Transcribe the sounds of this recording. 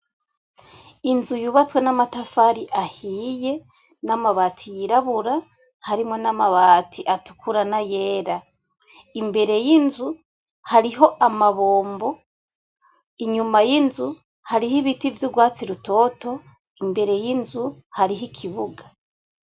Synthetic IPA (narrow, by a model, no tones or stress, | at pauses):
inzujuβat͡swe̞namatafaɾiʔahiːje̞ | namaβaːtʰijiɾaβuɾa | haɾimŋo̞namaβaːtʰiʔatu̥kʰuɾanaje̞ːɾa | imbe̞ɾe̞jinzu | haɾiɦo̞ʔamaβoːmbo̞ | iɲumajinzu | haɾihiβitivjuɡwaːt͡siɾuto̞ːto̞ | imbe̞ɾe̞jinzuhaɾiɦikʰiβuɡa